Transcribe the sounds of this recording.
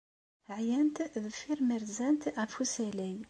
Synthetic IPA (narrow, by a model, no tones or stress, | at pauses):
ʕjænt̪ðəfiɾməɾzænt̪æfusælin